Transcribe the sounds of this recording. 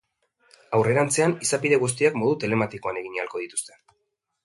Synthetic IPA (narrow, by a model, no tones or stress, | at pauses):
awre̞ɾant͡se̞anisapiðe̞ɣus̬t̪iakmo̞ð̞ut̪e̞le̞mat̪iko̞ane̞ɣiɲalko̞ð̞it̪u̥st̪e